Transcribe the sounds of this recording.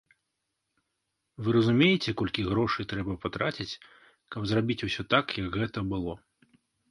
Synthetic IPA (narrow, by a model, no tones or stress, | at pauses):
vɨɾɐzumʲejɛt͡sʲɛkɔlʲkʲiɣɾɔʂɨt̪ɾɛbɐpat̪ɾʔat͡sʲit͡sʲ | kɐbzrabʲit͡sʲusʲɔt̪akjɐɡɣɛt̪ɐbɨlˠɔ